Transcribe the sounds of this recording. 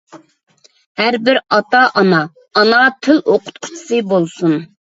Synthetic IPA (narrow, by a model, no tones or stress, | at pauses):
hæɾbɪɾɑt̪ɑʔɑnɑː | nɑt̪ʰɪlʔoqʰʊ̥t̪̚qʰʊ̥t͡ʃʰi̥sɨbolˠsun